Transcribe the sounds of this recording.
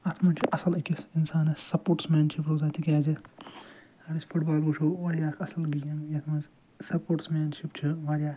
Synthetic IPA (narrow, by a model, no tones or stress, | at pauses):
ɐt̪ʰmɐnt͡ʃʰiʔɐsɐlɐkisinsaːnɐsɐpoːʈsmʲaːnʃipɾoːzaːt̪ʰikʲaːzi | ɐɾisʲpʰuʈbaːlbuʃʰoːʋɐɾjaːkʰɐsɐlɡijɐmjɐt̪ʰmɐnz | sɐpoːʈsmaːnʃip̚t͡ʃʰiʋaːɾjaː